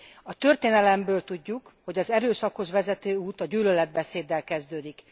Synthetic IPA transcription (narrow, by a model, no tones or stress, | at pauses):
ɒt̪ø̞rt̪eːnɛlɛmbøːlt̪uɟːukho̞ɟɒzɛɾøːsɒkho̞zʋɛzɛt̪øːuːt̪ɒɟyːlølɛd̪̚bɛseːd̪ːɛlkɛzd̪øːd̪ik